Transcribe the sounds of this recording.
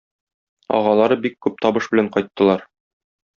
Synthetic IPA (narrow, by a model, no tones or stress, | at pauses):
ɒ̰ʁɑlˠɑɾɤbikːʉp̚t̪ɒbɤʃbɘ̆læɴqɒjt̪ːɤ̆lˠɑɾ